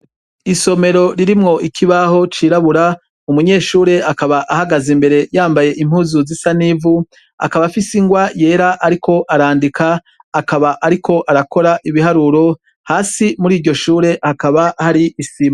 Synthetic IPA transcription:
iso̞me̞ɾo̞ɾiɾimŋo̞ʔikʰiβaɦo̞t͡ʃiɾaβuɾa | umuɲe̞ːʃuːɾe̞akaβaʔahaɡazimbe̞ɾe̞jaːmbaje̞ʔim̥huːzuzisanivu | a̰kaβafisiŋɡwaje̞ːɾaʔaɾikʰo̞ʔaɾaːndikʰaː | kaβaʔaɾikʰo̞ʔaɾako̞ɾaʔiβihaɾuɾo̞ | haːsimuɾiːɾɟo̞ʃuːɾe̞hakaβahaɾiːsima

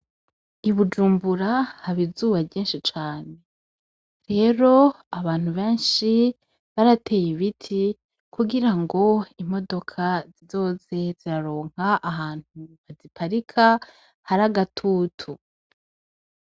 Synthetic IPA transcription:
iβud͡ʒuːmbuɾahaβizuːβabɟiːnʃit͡ʃaːne̞ | ɾe̞ːɾo̞ | aβaːn̥huβe̞ːnʃi | βaɾatʰe̞ːjiβitʰi | kuɡiɾaŋɡo̞imo̞do̞kʰazizo̞ːze̞z̥iɾaɾo̞ːŋ̥haʔaɦaːn̥huβazipʰaɾikʰa | haɾaɡatʰuːtʰu

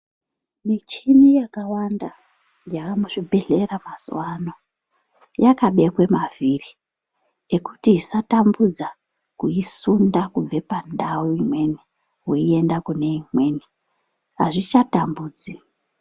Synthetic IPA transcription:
mit͡ʃinijakawanda | jakamuʐibʱe̞ɮe̞ramazwano̞ | jakaɓe̞kwe̞maviri | ekutiisatambud͡za | kuisundakub͡ve̞pandauimwe̞ni | weie̞ndakune̞imwe̞ːni | ɦaʐit͡ʃatambuːd͡zi

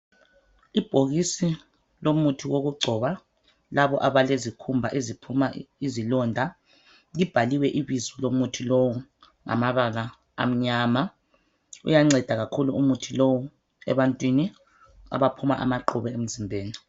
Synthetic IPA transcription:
ib̥ʱoɣisi | lomutʰiwoɣuɡ͡ǃʱɔβa | laβɔʔaβalezikʰumbʱaʔezipʰumaizilɔndʱa | lib̥ʱaliwɛʔiβizɔlomutʰilowu | ŋa̰maβala̰ː | m̩ɲaːma | ṵjaŋ͡ǀɛd̥ʱaɣakʰuluumutʰilowu | ɛ̰βantʼwini | a̰βapʰumaʔa̰maǃuβɛem̩zimbʱeːni

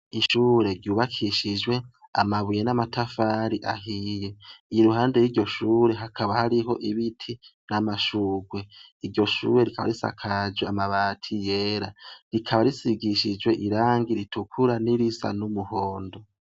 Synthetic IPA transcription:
iʃuːɾe̞ɾjuːβakʰiʃid͡ʒwe̞a̰maβujenamatʰafaːɾiʔaɦije̞iɾuɦaːnde̞jiːɾɟo̞ʃuːɾe̞ɦakʰaβahaɾiɦo̞ʔiβitʰinamaʃuːɡwe̞iɾɟo̞ʃṵːɾe̞ɾikʰaβa̰ɾisa̰kʰad͡ʒweamaβaːtʰijeːɾaɾikʰaβaɾisiɡiʃid͡ʒwe̞ʔiɾaːŋɡiɾitukʰuɾaniɾisa̰numuho̞ːndo̞

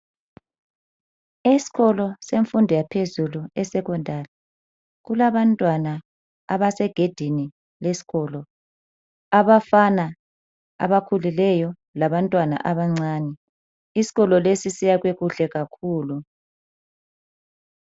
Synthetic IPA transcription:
esi̥ɣɔlɔseɱfundʱɛjapʰezuluɛsɛkɔndʱalɛ | ɣulaβantʼwana | aβasɛɡ̥ʱed̥ʱini | lesi̥ɣɔlɔ | aβafana | a̰βakʰulilɛjɔ | laβantʼwana̰ʔaβaŋ͡ǀaːnɛ | isi̥ɣɔlɔlesisijaɣweɣuɬɛɣakʰuːlu

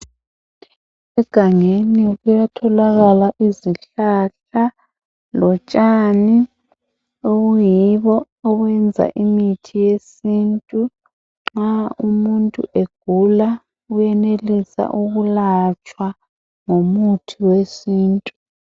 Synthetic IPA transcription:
ɛɡ̥ʱaŋeniɣujatʰɔlaɣalaʔiziɬaɬa | lɔt͡ʃʼani | oɣujiβɔ | ɔɣwɛnd͡zʱa̰ʔimitʰijesintʼu | ŋ͡ǁaumuntʼṵʔeɡ̥ʱula | ujɛnelisa̰ʔuɣulat͡ʃʼwa | ŋomutʰiwesiːntʼu

